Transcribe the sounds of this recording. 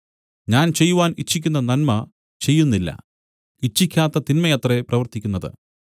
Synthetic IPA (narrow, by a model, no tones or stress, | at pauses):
ɲaːnt͡ɕe̞jːuʋaːnit͡ɕːikʲːunːɐnɐnmɐ | t͡ɕe̞jːunːilːɐ̰ | it͡ɕːikʲːaːt̪ːɐt̪inmɐjɐt̪reprɐʋɐrt̪ikʲːunːɐðɨ̰